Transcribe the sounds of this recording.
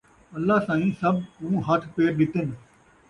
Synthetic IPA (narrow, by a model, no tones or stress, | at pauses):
əlːaːsãːĩːsəbũːɦət̪ʰpeːɾɗɪt̪en